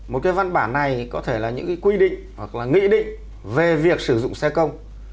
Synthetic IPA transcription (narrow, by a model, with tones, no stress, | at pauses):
mo˨˩t̚kaː˨˦jva˧nɓaː˧˩nːa˨˩jkɔ˨˦t̪ʰe˧˩laː˨˩ɲɨ̰˧˥kaː˨˦jkwi˧ɗḭ̈˧˨ŋ̟hwa˨˩k̚laː˨˩ŋḭ˧˥ɗḭ̈˧˨ŋ̟ | ve˨˩vi˨˩ək̚sɨ˧˩zʊ̰˧˨ŋ͡msɛ˧kə˧wŋ͡m